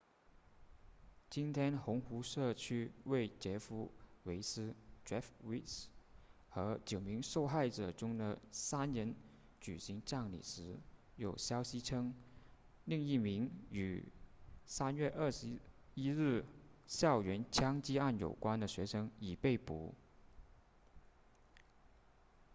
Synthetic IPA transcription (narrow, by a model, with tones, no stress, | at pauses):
t͡ɕi˥nt̪ʰjɛ˥nxʊ˧˥ŋxu˧˥ʂɤ˥˩t͡ɕʰy˥we˥˩ɪt͡ɕjɛ˧˥fu˧˥we˧˥ɪsɹ̩˥ʈ͡ʂɛ˥˩fwi˥ts | xɤ˧˥t͡ɕjo˨˩ʊmi˧˥ŋʂo˥˧ʊxa˥˩ɪʈ͡ʂɤ˨˩ʈ͡ʂʊ˥ŋd̪ə˨sa˥nnə˧˥n | t͡ɕy˨˩ɕi˧˥ŋʈ͡ʂa˥˩ŋlḭ˨˩ʂɻ̩˧˥ | jo˨˩ʊɕjɑ˥ʊɕi˧˥ʈ͡ʂʰɤ˥ŋ | li˥˧ŋi˥˩mi˧˥ŋy̰˨˩ | sa˥nɥɛ˥˧ʔə˥˩ʂɻ̩˧˥i˥ɻ̩˥˩ɕjɑ˥˩ʊɥɛ˧˥nt͡ɕʰjɑ˥ŋt͡ɕi˥a˥˩njo̰˨˩ʊkwa˥nd̪ə˨ɕɥɛ˧˥ʂɤ˥ŋi˨˩pe˥˩ɪpṵ˧˥